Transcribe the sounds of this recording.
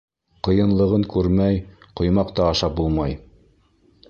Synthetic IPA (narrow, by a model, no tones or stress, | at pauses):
qɤ̆jɤ̆nlˠɤ̆ʁɤŋkʉɾmæj | qŏjmɑqt̪ɑːʃɑp̚bulˠmɑj